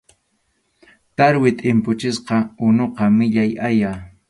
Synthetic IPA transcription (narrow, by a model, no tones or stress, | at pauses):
t̪aɾwɪt̪ʼɪmpʊt͡ʃɪsqɑʊnoqɑmɪʎajaja